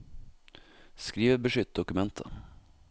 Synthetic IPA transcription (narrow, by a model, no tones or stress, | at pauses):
skɾiːʋəɾbəʂʏt̪̚d̪ʊkʉmɛnt̪ʰə̰